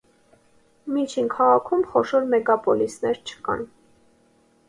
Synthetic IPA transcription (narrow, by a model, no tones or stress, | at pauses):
mit͡ʃʰinkʰɑʁɑkʰumχɔʃɔɾmɛɡɑpɔlisnɛɾt͡ʃʰə̥kɑ̰n